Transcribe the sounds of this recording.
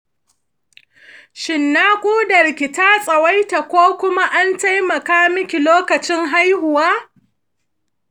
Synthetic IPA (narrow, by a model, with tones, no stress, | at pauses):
ʃɪ˨nːaː˦kʷʼuː˦dɐ˨rkʲɪ˨taː˦sʼɐ˨wa˦jta˨kʷoː˦kʷʊ˦ma˦ʔa˦nta˦jmɐ˨kaː˦mɪ˦kʲi˨loː˦kɐ˨t͡ʃɪ˦ŋɦa˦jhʊ˨waː˦